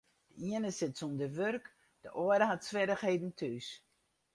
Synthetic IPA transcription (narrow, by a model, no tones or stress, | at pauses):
d̥əiənəsɪtsumdəʋørk | d̥əʔoədəɦatsʋɪdəxheːdn̩tʰys